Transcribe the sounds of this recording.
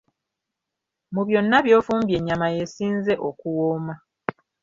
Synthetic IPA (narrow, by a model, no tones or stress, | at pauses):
muβjo̞nːaβjo̞ːfuːmbje̞ɲːamaje̞siːnze̞ʔokuwoːma